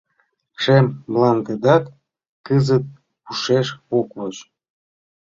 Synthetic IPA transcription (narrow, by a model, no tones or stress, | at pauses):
ʃemblɑnɡ̪əd̪ɑt̪ | kəzət̪̚ | puʃeʃokβot͡ɕ